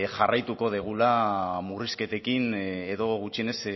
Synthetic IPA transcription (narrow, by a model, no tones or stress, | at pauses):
ʝarajt̪uko̞ð̞eɣ̞ulamuriske̞t̪e̞kine̞ðo̞ɣut͡ʃie̞ne̞s